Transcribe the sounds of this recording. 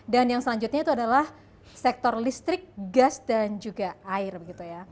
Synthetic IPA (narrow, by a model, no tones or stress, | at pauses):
danjaŋsəlaɲd͡ʒut̪ɲait̪uadalah | sɛk̚t̪ɔrlist̪ɾɪk̚ɡasdand͡ʒuɡaaɪrbəɡit̪uja